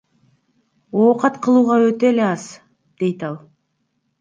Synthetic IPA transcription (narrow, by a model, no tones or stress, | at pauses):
oːqɑt̪qʰɯlˠuːʁɑøt̪e̞leɑs | d̪̥e̞jt̪ɑlˠ